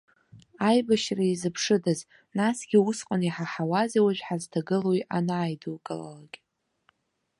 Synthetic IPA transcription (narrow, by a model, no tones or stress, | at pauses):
ajbaʃraizɨpʰʂɨdaz | nasɡ̥ʲiusqʼaniħaħawaziwaʒʷᶣħaztʰaɡɨlojʔanaːjdɨlkʼɨla̰laɡʲʼ